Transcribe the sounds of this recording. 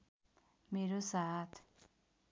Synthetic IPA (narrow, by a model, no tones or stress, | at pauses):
meɾosat̪ʰ